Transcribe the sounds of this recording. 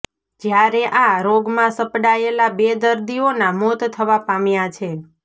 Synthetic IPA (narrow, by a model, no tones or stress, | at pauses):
d͡ʒjaɾeʔãɾoɡmãsəpɽaelabed̪əɾd̪ionamot̪t̪ʰəʋapamjat͡ʃʰe